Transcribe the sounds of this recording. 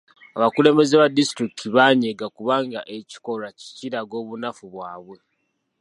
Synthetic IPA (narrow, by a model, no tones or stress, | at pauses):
aβakule̞mbe̞zeβadistɾiktʰiβaɲeɡakuβaːŋɡaʔe̞ci̥ko̞ɾaci̥ciɾaɡo̞ːβunafuβwaːβwe̞